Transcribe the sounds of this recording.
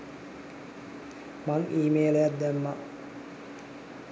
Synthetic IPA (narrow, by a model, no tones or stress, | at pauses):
maŋʔiːmeːlejat̪d̪æmːa̰